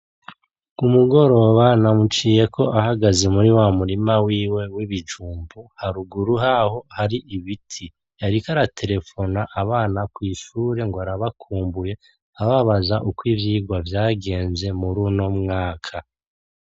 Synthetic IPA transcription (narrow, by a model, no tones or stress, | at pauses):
umuɡo̞ɾo̞βanamut͡ʃiːje̞kʰo̞ʔahaɡazemuɾiwamuɾimawiːwe̞wiβid͡ʒuːmbuhaɾuɡuɾuɦaho̞haɾiʔiβitʰi | jaɾikaɾatʰe̞ɾe̞fo̞naʔaβaːnakwiːʃuɾe̞ŋɡoaɾaβakʰuːmbuje̞ | aβaβazaʔukwiːvjiːɡwavjaːɡe̞ːnze̞muɾuno̞mŋaːkʰa